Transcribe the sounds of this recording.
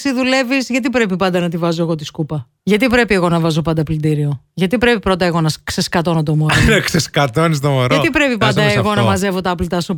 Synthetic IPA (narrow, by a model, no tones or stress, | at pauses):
siðule̞visʝɐt̪ipɾe̞pipɐnd̪ɐnɐt̪ivɐzo̞eɣo̞t̪iskupɐ | ʝɐt̪ipɾe̞pie̞ɣo̞nɐvɐzo̞pɐnd̪ɐplind̪iɾio̞ | ʝɐt̪ipɾe̞pipɾo̞t̪ɐeɣo̞nɐkseskɐt̪o̞not̪omoɾokseskɐt̪onis̬t̪omoɾʝɐot̪ipɾe̞pipɐnd̪ɐeɣo̞nɐmɐze̞vo̞t̪ɐɐplit̪ɐsu